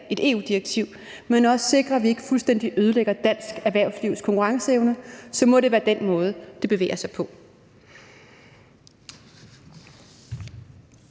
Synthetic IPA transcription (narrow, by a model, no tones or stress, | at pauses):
e̝d̥e̝̰ːṵːd̥iʁɐɡ̥̚t͡sʰiʊ̰ | menɒ̽səse̝ɡ̥ʁɐæʋie̝ɡ̥əfulsd̥en̰d̥iʔøːð̞ˠəleɡ̥ɐd̥æn̰sɡ̥æɐʋæɐ̰ʊsliʊ̰skʰɒ̽ŋkʰuʁɑ̈ŋsəeʊnəsɒ̽mɒ̽ɾe̝ʋæːɐd̥enmɔ̽ːð̞ˠəd̥e̝b̥e̝ʋḛːɐsɑ̈ɪpʰɒ̽